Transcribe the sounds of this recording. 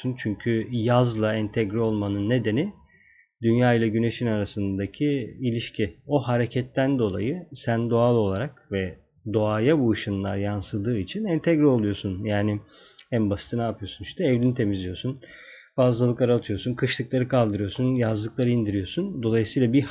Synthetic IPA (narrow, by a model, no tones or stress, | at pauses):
unt͡ʃʰyɲcʰyjazlˠaɛnt̪ʰɛɟɾɛo̞lˠmanɯnːe̞d̪e̞ni | d̪ynjaːilˠaɟyne̞ʃinaɾasɯnd̪d̪acʰiːlʲiʃcio̞ɦaɾe̞cʰɛt̪ʰːænd̪o̞lˠajɯsænd̪o̞alˠo̞lˠaɾakvɛ | d̪o̞aːjabuːʃɯnlˠaɾjansɯd̪ɯːit͡ʃʰinɛnt̪ʰɛɡɾɛo̞lˠujo̞sunjaːnɪ | ænbasi̥t̪ʰɯnaːpʰɯjo̞sunʃi̥ʃt̪ʰɛɛvld̪ʲinit̪ʰe̞mizlʲijo̞sunfazlˠalˠɯkaɾat̪ʰɯjo̞sunkʰɯʃlˠɯklˠaɾɯkʰalˠd̪ɯɾɯjo̞sunjazlˠɯklˠaɾɯind̪iɾijo̞sund̪o̞lˠajɯsɯjːlˠabi